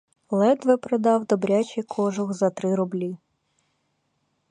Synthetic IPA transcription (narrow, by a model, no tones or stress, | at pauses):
lˠɛd̪ʋɛpɾɔd̪ɑwd̪ɔbɾʲat͡ʃɪkʰɔʒɔɣzɐt̪ɾɪɾɔblʲi